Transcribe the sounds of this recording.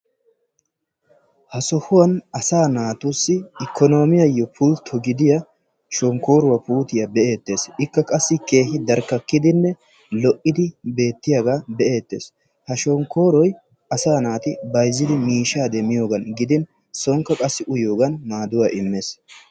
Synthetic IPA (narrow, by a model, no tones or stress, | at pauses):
hɐsɔhʊwɐnɐsaːnaːt̪ʊsːɪɪkʰːɔno̞ːmɪjɐjːɔpʰʊlt̪ʰɔɡɪd̪ɪjɐ | ʃɔŋko̞ːɾʊwɐpuːt̪ɪjɐbɛʔe̞ːt̪ːe̞ːsɪkːɐkʼɐsːɪke̞ːhɪd̪ɐɾkːɐkːɪd̪ɪnːɛ | lɔʔɪd̪ɪbe̞ːt̪ːɪjaɡaːbɛʔeːt̪ːe̞̰ːs | hɐʃɔŋkoːɾɔj | ɐsaːnaːt̪ɪbɐjzːɪd̪ɪmiːʃaːd̪ɛmɪjo̞ːɡɐnɡɪd̪ɪn | sɔŋkːɐkʼɐsːɪʔʊjo̞ːɡɐnːaːd̪ʊwaʔɪmːeːs